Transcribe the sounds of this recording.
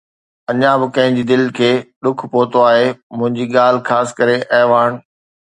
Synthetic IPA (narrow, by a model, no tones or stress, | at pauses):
ɐɲãbɪkɐ̃ɦɪ̃ɲd͡ʑiːd̪ɪlkʰeːɗʊkʰpoːt̪oaːɦemʊ̃ɦɪ̃ɲd͡ʑiːɠaːl̤ɪxaːsɪ̥kɐɾeʔɐɦɪʋaːɽ̃̆